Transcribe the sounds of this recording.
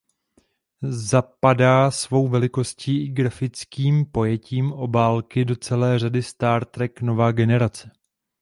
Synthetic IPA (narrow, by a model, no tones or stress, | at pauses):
zapadaːsvo̞wvɛlɪko̞sciːɪɡɾafɪt͡skiːmpo̞jɛciːmʔo̞baːlkɪdo̞t͡sɛlɛːr̝adɪst̪aːɾt̪ɾɛkno̞vaːɡɛnɛɾat͡sɛ